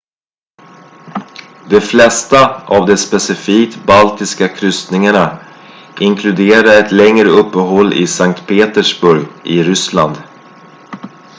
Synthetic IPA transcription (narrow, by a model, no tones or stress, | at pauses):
d̪ɛflɛst̪aʔavd̪ɛspɛsɪfiːk̚t̪balt̪ɪskakʰɾʏst̪nɪŋaɳa | ʔɪŋkʰlɵd̪eːɾaɾɛt̪lɛŋɾəɵpːəɦɔlːʔɪ̰saŋkt̪pʰeːt̪əʂbɵɾjʔɪɾʏsla̰nd̪